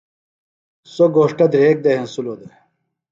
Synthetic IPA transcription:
soɡoːʂʈɐd̪ɾeːk̚d̪ɐɦensuloːd̪e

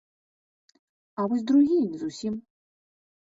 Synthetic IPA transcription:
avɔsʲd̪ɾuɣʲijnʲizusʲim

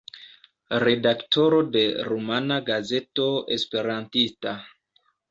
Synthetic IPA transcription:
ɾe̞dakto̞ɾo̞de̞ɾumanaɡaze̞to̞ḛspe̞ɾantista

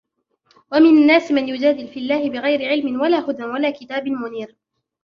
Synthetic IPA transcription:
wamɪnanːaːsmanjʊd͡ʒaːd̪ɪlfilːaːhɪbɪɣajɾɪʕɪlmɪnwalaːhʊd̪anwalaːkɪt̪aːbɪnmʊniːɾ

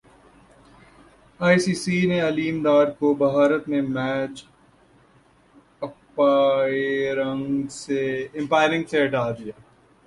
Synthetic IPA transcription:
aːisiːsiːneɐliːmd̪aːɾkobɐɦaːɾət̪mẽmɛːt͡ʃ | ɐpa | ɾəŋɡseɪ̃mpaːɪlɪ̃ŋɡseɦɐʈʰaːd̪ijaː

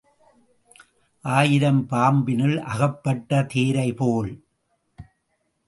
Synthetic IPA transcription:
ʔaːjɪɾɐmpaːmbɪnɪlʔɐɣɐpːɐʈːɐt̪eːɾɐɪpoːɭ

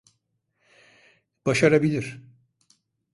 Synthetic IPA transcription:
b̥aʃaɾabilʲiɾ̥

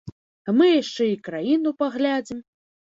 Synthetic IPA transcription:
amɨjaʂt͡ʂɛikɾajinupaɣlʲad͡zʲim

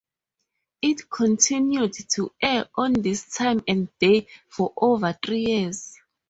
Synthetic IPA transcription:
itkʰɔ̃ntʰĩnjudtʰuɛɔ̃ndistʰãjmɛ̃ndefɔʔovəθɹijiz

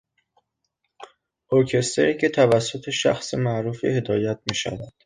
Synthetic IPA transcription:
oɾcʰe̞st̪eɾicʰet̪ʰævæsːo̞t̪ʰe̞ʃæ̰xsemæʔɾuːfḭːhe̞d̪ɒːjæt̪̚miːʃæ̰væd̪̥

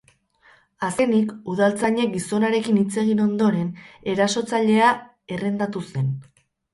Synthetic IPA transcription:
aske̞nikuðalt͡saɲe̞k̚ɡiso̞naɾe̞kinit͡se̞ɣ̞ino̞nd̪o̞ɾe̞ne̞ɾaso̞t͡saʎe̞a | e̞re̞nd̪at̪use̞n

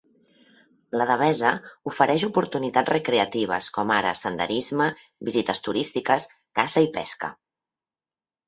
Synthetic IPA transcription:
ləðəβɛzəufəɾʔɛʃupuɾt̪unit̪ad͡zzrəkɾeət̪iβ̞ə̰skɔmaɾə̰sənd̪ə̰ɾizmə | bizit̪əst̪uɾist̪ikəs | kasəipɛ̰skə̰

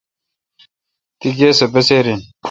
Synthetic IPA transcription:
t̪iɡeːsebeseːɾin

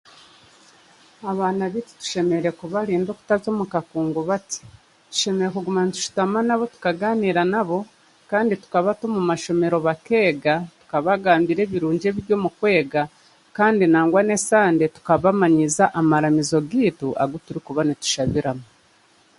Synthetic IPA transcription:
aβaːnaβiti̥tu̥ʃe̞me̞ɾɾe̞kuβaɾiːndo̞ku̥tazo̞ːmukakuːŋɡoβati̥ | tu̥ʃe̞me̞ɾekuɡumanitu̥ʃu̥tamanaβo̞tu̥kaɡaːniːɾanaβo̞ | kaːnditu̥kaβatomumaʃo̞me̞ɾo̞βake̞ːɡatu̥kaβaɡaːmbiɾe̞ːβiɾuːɲɟe̞ːβiɾɟo̞ːmukwe̞ːɡa | kaːndinaːŋɡwane̞saːnde̞tu̥kaβamaɲizaʔamaɾamizo̞ɡiːtuʔa̰ɡutuɾikuβanitu̥ʃaβiɾamo

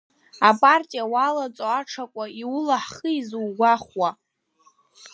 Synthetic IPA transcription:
apʼartʼijawalat͡sʼoaʈ͡ʂʰakʷʼaiwʊlaħχəizuwɡʷaχwa

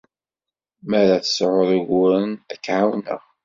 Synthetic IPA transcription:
mæɾaθə̥sʕʊɾˤəɣʊɾənækːʕawnə̰ʁ

